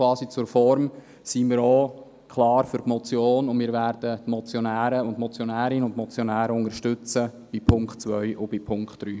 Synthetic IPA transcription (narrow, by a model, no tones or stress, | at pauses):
ʋɑːsit͡sʊɾfɔɾm | simiːɾo | kχlɑːɾfʏɾtmɔt͡sjoːnʊnmiːɾvæːɾd̥ətmɔt͡sjɔnæːɾəʊntmɔt͡sjɔnæːɾɪnəʊntmɔt͡sjɔnæːɾəʊŋəɾʃtʏt͡sə | b̥ipʰʊŋkχtt͡sʋœjʔʊb̥ipʰʊŋkχtd̥ɾyː